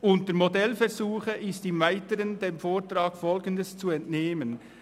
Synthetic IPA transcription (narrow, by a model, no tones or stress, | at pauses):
ʔʊntəɾmodɛlfɛʁzuːχəʔɪstɪmvaɪtəɾəndeːmfoːtɾaːkfɔlɡəndəst͡suɛntneːmən